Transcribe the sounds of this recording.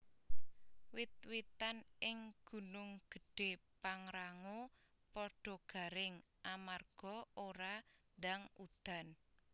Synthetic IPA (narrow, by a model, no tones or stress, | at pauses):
wit̪̚wit̪anɪŋɡ̥ṳnʊŋɡ̥ə̤ɖ̥e̤paŋɾaŋo | pɔɖ̥ɔ̤ɡ̥a̤ɾɪŋʔamarɡ̥ɔ̤oɾand̪aŋud̪̥a̤n